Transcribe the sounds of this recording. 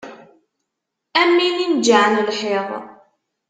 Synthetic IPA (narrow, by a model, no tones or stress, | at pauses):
æmːinind͡ʒaʕnlħeðˤ